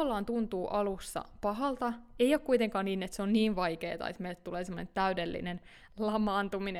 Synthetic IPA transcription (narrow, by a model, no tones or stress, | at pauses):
ɑlːɑːnt̪unt̪uːʔɑlusːɑ̰pɑɦɑlt̪ɑeijoːkuit̪eŋkɑːnniːnet̪seonniːʋʋɑikḛːt̪ɑ̰ḛt̪meilt̪t̪uleːsemːonḛnt̪æydelːḭnen | lɑmɑːnt̪umin